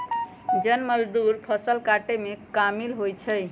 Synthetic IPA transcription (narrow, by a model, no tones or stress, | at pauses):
d͡ʒənməd͡ʒd̪uɾpʰəsəlkaʈemekamilɦojt͡ʃʰəj